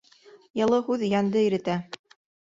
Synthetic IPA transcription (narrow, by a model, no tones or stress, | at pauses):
jɤ̆lˠɤhʉðjænd̪ɘĭɾɘ̆t̪æ